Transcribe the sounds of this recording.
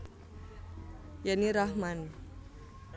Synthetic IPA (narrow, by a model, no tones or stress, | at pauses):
janiɾahman